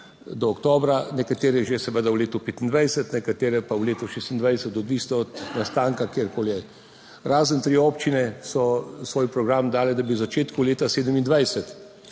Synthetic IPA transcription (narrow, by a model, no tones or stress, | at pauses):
d̪ɔːkt̪oːbɾanɛkat̪eːɾɛʒesɛʋəd̪awleːt̪ɔpeːt̪ind̪ʋɛjsət̪nɛkat̪eːɾɛpawleːt̪ɔʃeːst̪ind̪ʋajsət̪ɔd̪ʋist̪ɔːt̪nast̪aːŋkakeːɾkoːljɛ | ɾaːzənt̪ɾiɔpt͡ʃinɛsɔsʋoːjpɾɔɡɾamd̪aːlɛd̪abiwzat͡ʃeːt̪kuwleːt̪aseːd̪əmind̪ʋajsət̪